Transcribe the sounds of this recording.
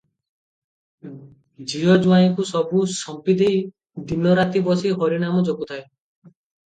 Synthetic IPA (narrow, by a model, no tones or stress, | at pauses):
d͡ʒijɔd͡ʒuaĩkusɔbusɔmpid̪ej | d̪inɔɾat̪ibɔsiɦɔɾinamɔd͡ʒɔkut̪ʰae